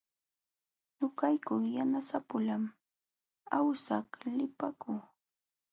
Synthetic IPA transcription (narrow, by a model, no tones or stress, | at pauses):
nʊkajkʊŋjanasapʊlam | awsaklɪpakʊŋ